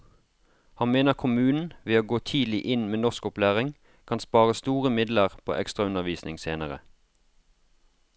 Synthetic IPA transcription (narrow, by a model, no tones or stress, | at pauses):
hɑnmeːnəʁkʰʊmʉːnn̩ʋeːoːɡoːt̪ʰiːd̪lɪʔɪnmeːnɔʁskʊplæːʁɪŋ | kʰɑnspɑːʁəst̪uːʁəmɪd̪ləʁpʰo̰ːʔɛkst̪ʁɑʉnəʁʋiːsnɪŋseːnəʁə̰